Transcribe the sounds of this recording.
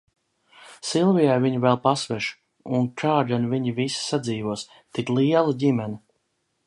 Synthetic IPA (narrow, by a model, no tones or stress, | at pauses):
silˠvijajviɲivɛlˠpasvɛʃu̥ | unkaːdanviɲivisi̥sad̪ziːvuɔs | t̪iklˠiɛlˠaɟʲimɛni